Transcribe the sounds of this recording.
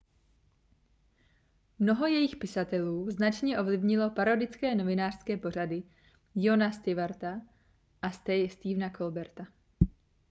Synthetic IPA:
mno̞ɦo̞jɛjɪxpɪsat̪ɛluːznat͡ʃɲɛʔo̞vlɪvɲɪlo̞paɾodɪt͡skɛːno̞vɪnaːr̝̥skɛːpo̞r̝adɪ | jonast̪ɪvaɾt̪a | ʔast̪ɛjst̪iːvnakʰo̞lbɛɾt̪a

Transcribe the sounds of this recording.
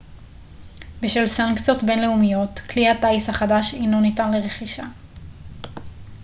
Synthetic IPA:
beʃvelsaŋkt͡sijo̞tbe̞nleumijo̞tklihataishaχadaʃinonitanleʁe̞χiʃa

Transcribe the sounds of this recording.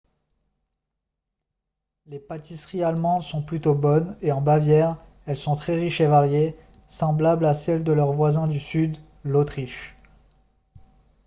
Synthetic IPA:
lepat̪isχialmɑ̃d̪sɔ̃plyt̪obɔneɑ̃bavjɛʁ | ɛlsɔ̃t̪χɛʁiʃevaʁje | sɑ̃blablasɛld̪əlœʁvwazɛ̃d̪ysyd̪ | lot̪χiʃ

